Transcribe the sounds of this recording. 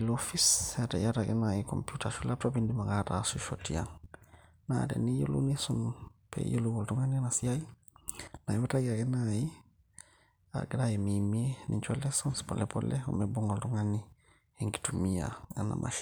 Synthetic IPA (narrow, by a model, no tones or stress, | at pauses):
lofisatajatakɛnaiko̰mpjutaʃulatopindimakatasuʃotia̰ŋ | na̰tḛnijo̰lṵnisɔnpʰḛjoluɡoltuŋaninasiai | najibataɡiakɛnaji | a̰ɡɾajemimienʔḭɲt͡ʃɔlɛsɔnspɔ̰lɛpɔ̰lɛṵmebuŋoltuŋani | eŋɡi̥tumia̰a̰na̰mʔa̰ʃ